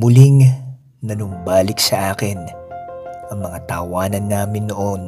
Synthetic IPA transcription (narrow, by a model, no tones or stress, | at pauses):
mʊliŋ | nɐnʊmbaːlɪksɐʔaːkɪn | ʔɐŋmɐŋat̪ɐ̰waːnɐnːaːmɪnːoʔon